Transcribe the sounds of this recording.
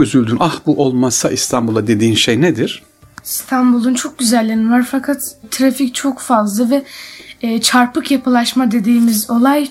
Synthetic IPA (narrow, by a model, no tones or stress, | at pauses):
yzylʲd̪ynʔahbuʔolˠmasaʔist̪ʰanbulˠad̪e̞d̪iːnʃejnɛd̪iɾ̥ | sst̪ʰanbulˠunt͡ʃʰo̞k̚ɟyzælʲːenivaɾfakʰat̪ʰːɾafict͡ʃʰo̞kfazlˠavɛː | t͡ʃʰaɾpɯkjapʰɯlˠaʃmad̪e̞d̪iːmizo̞lˠaj